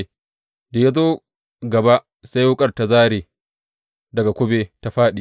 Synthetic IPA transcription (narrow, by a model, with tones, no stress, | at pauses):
da˨ja˦zoː˦ | ɡɐ˨ba˦ | sa˦jwʊ˦kʼɐ˦rta˨zaː˦ɾeː˨ | dɐ˨ɡa˨kʷʊ˦beː˦ta˦ɸaː˦ɗi˨